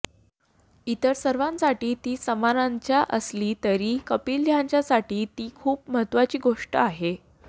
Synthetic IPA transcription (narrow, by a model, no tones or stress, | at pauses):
it̪əɾsəɾʋãnsaʈiːt̪iːsəmanaɲt͡ɕjaʔəsliːt̪əɾiːkəpiːld̪jaɲt͡ɕjasaʈiːt̪iːkʰuːpməɦət̪ʋat͡ɕiːɡoʂʈəaɦe